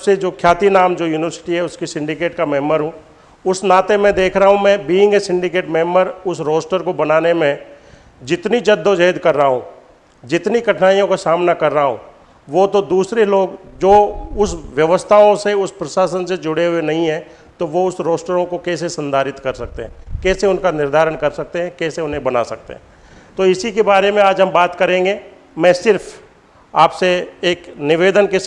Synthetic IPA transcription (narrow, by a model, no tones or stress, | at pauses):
sed͡ʒoːkʰjaːt̪inaːmd͡ʒoːjuːnɪʋəɾsɪ̥ʈiɦɛʊskisɪ̃ɳɖɪkeːʈkamɛːməɾɦũː | ʊsnaːt̪emɛ̃d̪eːkʰɾəɦaɦũmɛ̃biːɪ̃ŋɡesɪ̃ɳɖɪkeːʈmɛːməɾʊsɾoːsʈəɾkobɐnaːnemẽ | d͡ʒɪt̪nid͡ʒɐd̪ʱːõd͡ʒeːd̪kɐɾːəɦaɦũ | d͡ʒɪt̪nikɐʈʰnaːijõkasaːmnakɐɾːəɦaɦṵ̃ː | ʋot̪od̪uːsɾeloːɡd͡ʒoːʊsʋjɐʋəst̪ʰaõseʊspɾɐʃaːsənsed͡ʒʊɽeɦʊenɐɦĩɦɛ̃ː | t̪oʋoʊsɾoːsʈəɾõkokɛːs̬esɐ̃nd̪ʱaːɾɪt̪kɐɾsɐk̚t̪eɦɛ̃ːkɛːseʊnkanɪɾd̪ʱaːɾənkɐɾsɐk̚t̪eɦɛ̃kɛːseʊnɦẽbɐna̰sɐk̚t̪ḛɦɛ̰̃ː | t̪oːɪsikebaːɾemẽaːd͡ʒɦɐmbaːt̪kɐɾẽːŋɡeː | mɛ̃ːsɪɾfʰ | aːpseeːknɪʋeːd̪ənkes